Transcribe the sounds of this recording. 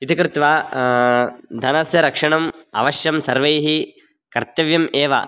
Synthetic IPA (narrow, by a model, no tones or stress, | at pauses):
it̪ʰikɾɪt̪ʋaː | d̪ʱɐnɐsjɐɾɐkʂɐɳɐmɐ̰ʋɐʃjɐmsɐɾʋɐjɦi | kɐɾt̪ɐʋjɐmeːʋɐ̰